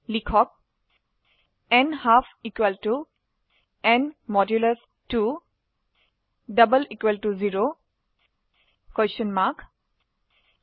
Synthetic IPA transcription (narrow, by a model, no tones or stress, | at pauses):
likʰɔk̚ | ɛnhafʰikwalʈu | ɛ̃nmɔdjuləs | tu | ɖəbəlikwelʈuziɾo | kɔsənmak